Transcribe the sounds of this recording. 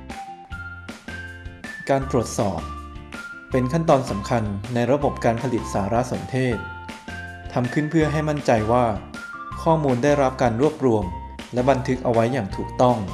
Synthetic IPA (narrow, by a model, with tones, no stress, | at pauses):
kaː˧nt̪ɾu˨˩ət̪̚sɔ̰ː˨˩p̚ː | e˧nkʰa˥˩nt̪ɔː˧nsa˩˦mkʰa˧nːa˧jɾa˧˥bo˨˩p̚kaː˧npʰa˧li˨˩t̪̚saː˩˦ɾa˦˥so˩˦nt̪ʰeː˥˩t̪̚ʰ | a˧mkʰɯ˥˩npʰɯ˥˩ɐɦa˥˩jma˥˩nt͡ɕa˧jwaː˥˩ | kʰɔː˥˩muː˧nda˥˩jɾa˦˥p̚kaː˧nɾu˥˩əp̚ɾu˧əm | lɛ˦˥ba˧nt̪ʰɯ˦˥k̚ʔa˧wa˦˥jːaː˨˩ŋt̪ʰuː˨˩k̚t̪ɔ˥˩ŋ